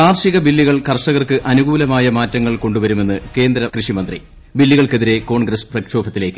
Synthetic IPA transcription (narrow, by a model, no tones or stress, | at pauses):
aːrʂiɣɐbilːiɣɐɭkɐrʂɐɣɐrkɨʔɐnuɡuːlɐmaːjɐmaːtːɐŋːɐɭko̞ɳɖuʋɐɾume̞nːɨke̞ːnd̪ɾɐkrɨʂimɐnd̪rḭ | bilːiɣɐɭke̞ðiɾe̞ko̞ːɳɡɾɐsprɐkʂo̞ːbʰʱɐt̪ːile̞ːkːɨ